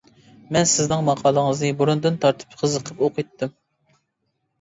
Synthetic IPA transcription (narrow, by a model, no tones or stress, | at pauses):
mɛnsɪznɪŋmɑqʰɑːlˠəŋəznɨbuɾund̪ɨnt̪ʰɑɾt̪ʰɨ̥pqʰəzəqʰəpoqʰɨt̪ːɨm